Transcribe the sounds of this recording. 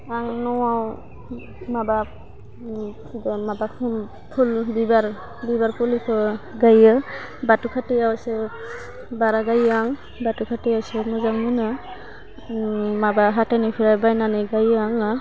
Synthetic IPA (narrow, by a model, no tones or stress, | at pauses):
aŋnɔwaw | maba | mabapʰ | pʰulbibaɾ | bibaɾpulikʰɔɡajɯ | batukʰatejawse | baɾaɡajaŋ | batukʰatejawsemɔzaŋmɯna | mabaɦatajnipʰiɾajbajnaniɡajɯaŋa